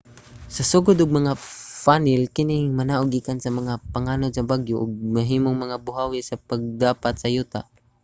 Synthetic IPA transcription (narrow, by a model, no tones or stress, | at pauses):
sɐsuɡʊd̪ʊɡ̚mɐŋafanɪlkɪnɪŋmɐnaʔʊɡikansɐmɐŋapaŋanʊd̪sɐbaɡjʊʔʊɡ̚mɐɦiːmʊŋmɐŋabʊɦawɪsapaɡ̚d̪aːpat̪sɐjuːt̪a̰ʔ